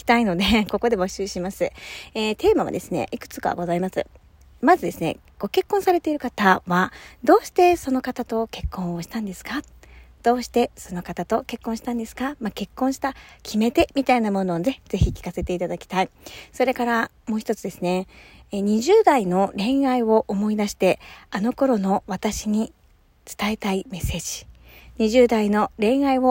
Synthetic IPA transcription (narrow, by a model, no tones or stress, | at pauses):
i̥t̪aino̞d̪e̞ko̞ko̞d̪e̞bo̞ɕɨːɕimasɨeːt̪ʰe̞ːmaβa̰d̪e̞sɨne̞̰ʔikɯ̟̥t͡sɨ̥kaβa̰ɡo̞zaimasɨ̰ | mazɨd̪e̞sɨne̞̰ | ɡ̥o̞ke̞kːõsaɾe̞t̪e̞iɾɯ̟kat̪aβad̪o̞ːɕi̥t̪e̞so̞no̞kat̪at̪o̞ke̞kːõ̞ɰ̃o̞ɕi̥t̪ãnd̪e̞sɨ̥ka | d̪̥o̞ːɕi̥t̪e̞so̞no̞kat̪at̪o̞ke̞kːõɕi̥t̪ãnd̪e̞sɨ̥kamake̞kːõ̞ɰ̃ɕi̥t̪akʲʰime̞t̪e̞mʲit̪ainamo̞no̞ːne̞d͡z̥e̞çikʲi̥kase̞t̪e̞it̪ad̪akʲi̥t̪aiso̞ɾe̞kaɾamo̞ːçi̥t̪o̞t͡sɨd̪e̞sɨne̞ɲ̟iʑɨːd̪aino̞ɾẽ̞ɰ̃aiβo̞ʔomo̞id̪aɕi̥t̪e̞ano̞ko̞ɾo̞no̞βat̪aɕiɲ̟i | t͡sɨ̥t̪ae̞t̪aime̞se̞ːd͡ʑi̥ɲ̟iʑɨːd̪aino̞ɾẽ̞ɰ̃aiβo̞